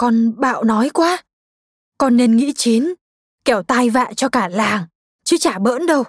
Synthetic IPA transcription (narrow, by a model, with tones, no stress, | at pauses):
kɔ˧nɓa̰ː˧˨wnɔ˨˦jkwaː˨˦˥ | kɔ˧nːe˧nŋḭ˧˥t͡ɕi˨˦n | kɛ˧˩wt̪a˧jva̰ː˧˨nt͡ɕɔ˧kaː˧˩laː˨˩ŋ | t͡ɕɨ˨˦t͡ɕaː˧˩ɓə̰ː˧˥nɗə˧w